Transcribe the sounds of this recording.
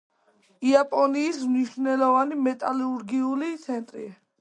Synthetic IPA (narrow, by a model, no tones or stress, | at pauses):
iapʼɔniːsmniʃvnɛlɔvanimɛt̪ʼaluɾɡiulit̪sʰɛnt̪ʼɾḭ